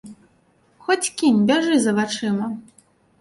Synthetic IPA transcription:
xɔt͡sʲkʲinʲbʲaʐɨzɐvat͡ʂɨmɐ

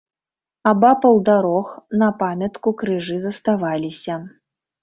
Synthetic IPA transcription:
abapɐwd̪aɾɔxnɐpamʲɐt̪kukɾɨʐɨzɐst̪avalʲisʲɐ

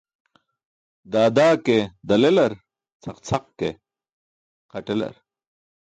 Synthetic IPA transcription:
d̪aːd̪aːked̪ɐlelɐɾ | t͡sʰɐqt͡sʰɐq̚ke | qɐʈelɐ̰ɾ

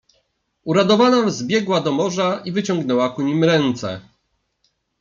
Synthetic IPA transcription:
uɾad̪ɔvanazbʲjɛɡwad̪ɔmɔʐaivɘt͡ɕɔŋɡnɛwakuɲimɾɛnt̪sɛ̰

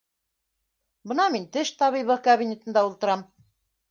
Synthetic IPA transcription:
bɤ̆nɑmint̪ɘʃt̪ɑβijβɤkaβʲinʲet̪ɤ̆nd̪ɑulˠt̪ɤ̆ɾɑm

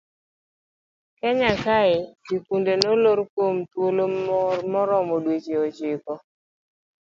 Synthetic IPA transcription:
kɛɲakaɪikundenoloɾkomtwolomɔɾɔmɔdwet͡ʃeɔt͡ʃɪkɔ

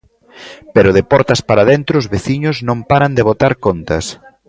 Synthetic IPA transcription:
peɾʊðepɔɾt̪ɐspaɾaðent̪ɾoʊːzβeθiɲʊznõmpaɾand̪eβ̞ot̪aɾkont̪ɐs

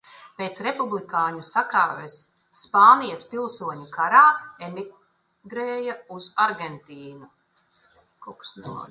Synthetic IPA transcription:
peːt̪sɾepublikaːɲusaka̰ːvesː | paːnijaspilˠsuɔɲukaɾaːemi | ɡɾeːjauzaɾɡent̪iːnu | kɔksnṵ

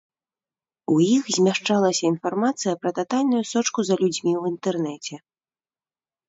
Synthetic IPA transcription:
ujixzʲmʲaʂt͡ʂalˠɐsʲɐin̪farmat̪sɨjɐpɾɐt̪at̪alʲnujusɔt͡ʂkuzɐlʲud͡zʲmʲiwint̪ɛrnɛt͡sʲɛ

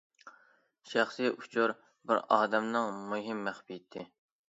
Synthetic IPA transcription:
ʃæχsijʔut͡ʃʰuɾ | bɪɾɑːd̪ɛmnɨŋmuɦɪmːæχbit̪ʰːɪ

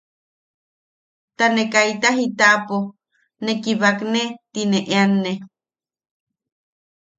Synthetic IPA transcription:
t̪anekajt̪aɦit̪aʔpo | nekiβaknet̪ineʔeanːe

